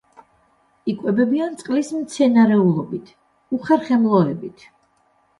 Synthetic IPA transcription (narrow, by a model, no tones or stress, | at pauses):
ikʼwɛbɛbiant̪sʼqʼlismt̪sʰɛnaɾɛulˠɔbit̪ʰ | uχɛɾχɛmlˠɔɛbit̪ʰ